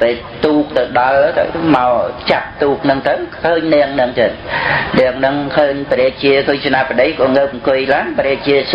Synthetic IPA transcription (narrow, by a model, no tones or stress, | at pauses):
peːl | t̪uːk̚t̪ɨwɗɑlt̪ɨ̰wmaɔt͡ɕap̚t̪uːk̚nɨŋt̪ɨwkʰəːɲnɛəŋnɨŋt̪əːt̪̚nɛ̆əŋnɨŋkʰəːɲpəɾeːk̚t͡ɕiəkʰəːɲt͡ɕʰnapːəɗəjkɑːŋəːp̚ŋkɨjlaːnpəɾeːk̚t͡ɕiəs